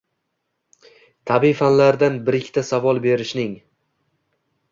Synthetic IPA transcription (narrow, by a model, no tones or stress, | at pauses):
t̪ʰabijfanlaɾd̪anbɪɾɪkʲʰːɪ̥t̪ʰasavɒlˠbe̞ɾɪʃnɪŋ